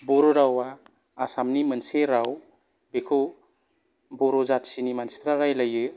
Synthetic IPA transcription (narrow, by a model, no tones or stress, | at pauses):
bɔɾɔɾawaː | samnimɯnseɾaw | bekʰɯw | bɔɾɔzatsinimanspʰɾaɾajlajɯ